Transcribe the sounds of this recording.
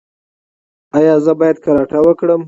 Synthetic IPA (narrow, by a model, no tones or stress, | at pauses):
ajɑzəbɑjad̪̚kaɾɑʈawəkɽəm